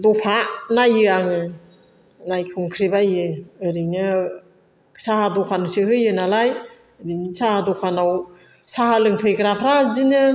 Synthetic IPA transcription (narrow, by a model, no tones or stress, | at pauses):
dɔpʰanajɯaŋɯ | najkʰɯŋkʰɾibajɯɯɾinɯ | sahadɔkʰanɔsihɯjɯnalajɾinsahadɔkʰanaw | sahalɯŋpʰɯjɡɾapʰɾazinɯ